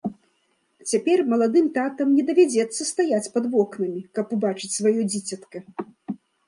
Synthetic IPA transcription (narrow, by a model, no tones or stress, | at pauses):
t͡sʲapʲɛrmɐlˠad̪ɨmt̪at̪ɐmnʲɛd̪ɐvʲad͡zʲɛt̪sːɐst̪ajat͡sʲpɐd̪vɔknɐmʲikɐpubat͡ʂɨt͡sʲsvajɔd͡zʲit͡sʲɐt̪kɐ